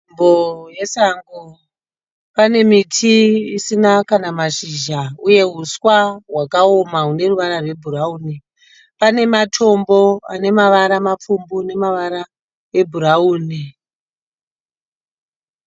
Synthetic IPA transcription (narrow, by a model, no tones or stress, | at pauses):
mboje̞saŋɡo | pane̞mitʰiisinakanamaʃiʒauje̞ɦuswaɦwakao̞maɦune̞ruʋaɾarwe̞bʱurauːne | pane̞matʰo̞mbo̞a̰ne̞maʋaɾamap͡fumbune̞maʋaɾa | e̞bʱuɾauːne